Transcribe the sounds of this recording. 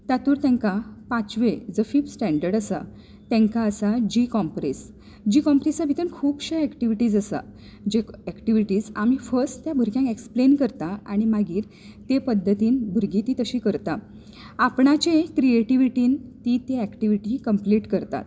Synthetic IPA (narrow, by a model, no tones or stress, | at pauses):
t̪jat̪uːɾt̪ẽŋkapãt͡sʋed͡zəfiːbsʈæ̃ɳɖəɾɖəsa̰ | t̪ɛ̃ŋkaəsad͡ʑikɔmpɾis | d͡ʑiːkɔmpɾit͡sabʱit̪ənkʰuːbɕəɛkʈiʋiʈiːd͡zəsa̰ | d͡ʑeækʈiʋiʈiːd͡zamifəɾsʈt̪jabʱuɾkjãŋkeksplenkəɾt̪aaɽ̃imaɡiːɾ | t̪epəd̪ʱːət̪iːnbʱuɾɡiːt̪iːt̪əɕiːkəɾt̪a | apɳat͡ɕẽkɾieʈiʋiʈiːnt̪it̪eækʈiʋiʈikəmpliʈkəɾt̪a̰t̪